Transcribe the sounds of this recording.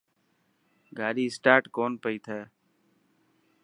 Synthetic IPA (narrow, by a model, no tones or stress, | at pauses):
ɡʱaːɾiːsʈaːɾʈkoːnpəiːt̪ʰɛː